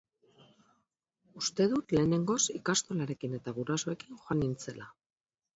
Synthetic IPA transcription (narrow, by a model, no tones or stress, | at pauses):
ust̪e̞ðut̪le̞ːne̞ŋɡo̞sikast̪o̞laɾe̞kine̞t̪aɣuɾasoe̞kinxoanint͡se̞la